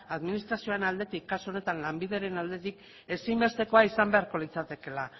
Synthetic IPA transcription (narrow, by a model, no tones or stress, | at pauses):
aðminist̪ɾasio̞enald̪e̞t̪ikːasuo̞ne̞t̪anlambiðe̞ɾe̞nald̪e̞t̪ik | e̞simbe̞st̪e̞ko̞aisambe̞aɾko̞lit͡sat̪e̞ke̞la